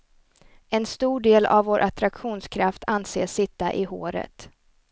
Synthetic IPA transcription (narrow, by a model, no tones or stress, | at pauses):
ɛnst̪uːɖeːla̰vvoːɾʔat̪ɾakɧuːnskʰɾaft̪ʰanseːʂɪt̪ːa̰ʔɪɦoːɾə̰t̪